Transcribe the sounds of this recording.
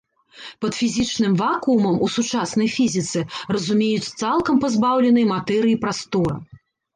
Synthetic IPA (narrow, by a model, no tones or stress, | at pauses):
pɐt̪fʲizʲit͡ʂnɨmvakumɐmusut͡ʂasnɐjfʲizʲit̪sɛrɐzumʲejut͡sʲt̪salˠkɐmpazbawlʲɛnɐjmat̪ɛɾɨjipɾast̪ɔɾɐ̰